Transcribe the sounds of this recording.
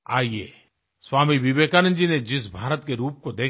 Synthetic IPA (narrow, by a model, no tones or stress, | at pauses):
a̰ːiḛː | sʋaːmiʋɪʋeːkanə̃nd͡ʒined͡ʒɪsbʱaːɾət̪keɾuːp̚kod̪eː